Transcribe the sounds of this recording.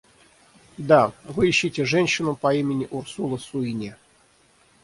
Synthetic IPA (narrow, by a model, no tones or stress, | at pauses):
d̪avɨiɕːitʲɪʐɛnʲɕːɪnupɐimʲɪnʲɪʔursulˠəsuinʲe